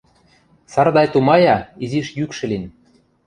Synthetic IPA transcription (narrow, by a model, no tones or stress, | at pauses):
sɑrd̪ɑjt̪umɑjɑiziʃjykʃɘ̆lʲin